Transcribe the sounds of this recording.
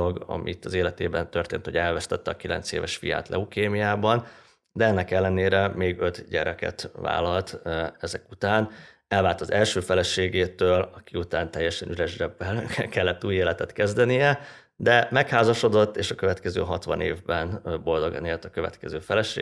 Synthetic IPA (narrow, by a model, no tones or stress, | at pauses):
oɡɒ̰mʔit̪ːɒzeːlɛt̪eːbɛnt̪ø̞rt̪ḛːnt̪hoɟɛlvɛst̪ɛt̪ːɛɒkilɛ̰nt̪sḛːvɛʃfija̰ːt̪lɛ̰ukeːmijaːbɒn | d̪ɛɛnːɛkɛlːɛneːɾɛmeːɡø̞t̪ɟɛɾɛkɛ̰t̪va̰ːlɒlt̪ɛzɛkut̪aːn | ɛlvaːlt̪ɒzɛlʃøːfɛlɛʃeːɡeːt̪øːlɒkiut̪aːnt̪ɛjːɛʃɛnyɾɛʒrɛbːɛlkɛlːɛt̪ːuːjeːlɛt̪ɛt̪kɛzd̪ɛnijɛ | d̪ɛmɛkhaːzɒʃo̞d̪o̞t̪ːeːʃɒkø̞vɛt̪kɛzø̰ːɦɒt̪ʋɒ̰neːvbɛnbo̞ld̪o̞ɡɒ̰neːlt̪ɒkøvɛ̰t̪kɛzøːfɛlɛʃḛː